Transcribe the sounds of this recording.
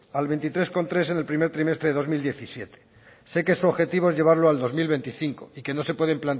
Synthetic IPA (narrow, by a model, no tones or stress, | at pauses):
alβe̞nt̪it̪ɾe̞sko̞nt̪ɾe̞s̬e̞ne̞lpɾime̞ɾt̪ɾime̞st̪ɾe̞ðeðo̞zmild̪je̞θisje̞t̪e̥ | se̞ke̞suoβxe̞t̪iβ̞oe̞zʝe̞β̞aɾloald̪o̞zmilβe̞nt̪iθiŋko̞ike̞no̞se̞pwe̞ðe̞mplant